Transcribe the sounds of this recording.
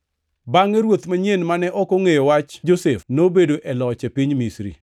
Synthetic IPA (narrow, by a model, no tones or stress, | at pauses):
baŋeɾwot̪maɲenmanɛʔɔkoŋejowat͡ʃd͡ʒosefnobedoʔɛlɔt͡ʃepiɲmisɾḭ